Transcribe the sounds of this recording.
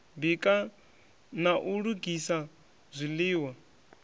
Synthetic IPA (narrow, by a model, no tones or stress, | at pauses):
bikʼa | naʔuɺuɡisa | zʷiliːwa